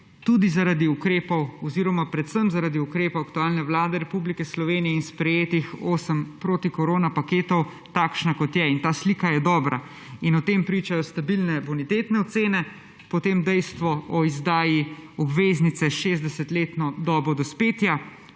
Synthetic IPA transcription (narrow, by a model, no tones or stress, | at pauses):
t̪ud̪izaɾad̪iukɾeːpɔwɔziɾɔmapɾɛt̪səmzaɾaːd̪iukɾeːpowakt̪uaːlnɛʋlaːd̪ɛɾɛpublikɛslɔʋeːnijɛinspɾɛjeːt̪ixoːsəmpɾoːt̪ikɔɾoːnapakeːt̪ɔw | t̪aːkʃnakɔt̪jɛint̪aːsliːkajɛd̪ɔːbɾa̰ | inɔt̪eːmpɾiːt͡ʃajɔst̪abilnɛbɔnit̪eːt̪nɛɔt̪seːnɛ | pɔt̪eːmd̪ɛjst̪ʋɔɔizd̪aːjiɔbʋeːznit̪sɛʃeːzd̪ɛsɛt̪leːt̪nɔd̪ɔːbɾɔd̪ɔspeːt̪ja